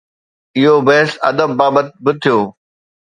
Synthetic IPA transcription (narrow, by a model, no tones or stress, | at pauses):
ɪɦobɐɦɪsɐ̰d̪əbːaːbət̪̚bɪt̪ʰijoː